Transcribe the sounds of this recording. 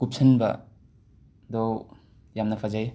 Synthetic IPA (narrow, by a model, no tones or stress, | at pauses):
kup̚sʰɐnbɐ̰ | d̪ɔw | jamnɐpʰazaj